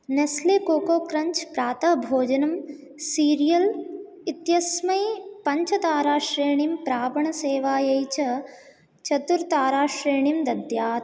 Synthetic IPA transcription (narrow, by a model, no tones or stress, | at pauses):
neslekoːkoːkɾɐɲt͡ʃpɾaːt̪ɐbʱoːd͡ʒɐnɐm | siːɾijɐl | it̪jɐsmɐjpɐɲt͡ʃʰɐt̪aːɾaːʂɾeːɳimpɾaːbɐɳɐseːʋaːjɐjt͡ʃɐ | t͡ʃɐt̪uɾt̪aːɾaːʂɾeːɳimd̪ɐd̪jaːt̪